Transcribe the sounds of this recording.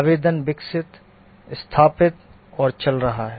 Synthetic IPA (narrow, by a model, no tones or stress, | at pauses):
aʋeːd̪ənʋɪksɪt̪ | st̪ʰaːpɪt̪ | ɔːɾt͡ʃɐlɾɐɦaɦɛ